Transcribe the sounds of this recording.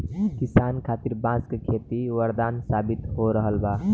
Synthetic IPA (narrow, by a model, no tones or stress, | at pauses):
kɪsaːnkʰaːt̪iɾbãskekʰeːt̪iʋəɾd̪aːnsaːbit̪ɦoɾəɦəlba